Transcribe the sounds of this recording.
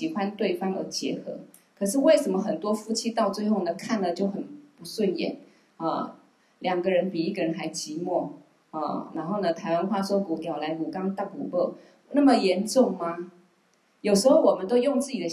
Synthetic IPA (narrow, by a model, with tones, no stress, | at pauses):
ɕi˧˥xwa˦nt̪we˥˩ɪfɑ˥ŋə̰˞˧˥t͡ɕjɛ˧˥xɤ̰˧˥ | kʰɤ˨˩ʂ̬ɻ̩˥˧we˥˩ɪʂə˧˥nmə˧xə˨˩nt̪wɔ˥fu˥t͡ɕʰi˥t̪ɑ˥˧ʊt͡swe˥˧ɪxo˥˩ʊnə˩kʰa˥˩nə˨˩t͡ɕjo˥˩ʊxə˨˩npu˧˥swə˥˧njɛ̰˨˩˦n | ə˥˩ | ljɑ˨˩ŋɡə˧˦ɻə˧˥npi˨˩i˥˩ɡə˩ɻə˧˦nxa˧˥ɪt͡ɕi˧˥mwɔ˥˩ | ə̰˥˧˩na˧˥nxo˥˩ʊnə˩t̪ʰa˧˥ɪwa˥nxwa˥˩ʂwɔ˥ku˨˥˩t̪jɑ˨˩ʊla˧˥ɪku˨˩kɑ˥ŋt̪a˥˩kṵ˨˩lɔ˥˩ | na˥˩mə˨jɛ˧˥nʈ͡ʂʊ˥˩ŋma˧ | jo˨˩ʊʂɻ̩˧˥xo˥˩ʊwɔ˨˩mə˦nt̪o˥ʊjʊ˥˧ŋt͡sɹ̩˥˩t͡ɕi˨d̪ə˦